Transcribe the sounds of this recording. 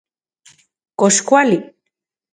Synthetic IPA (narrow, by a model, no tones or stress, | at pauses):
koskwali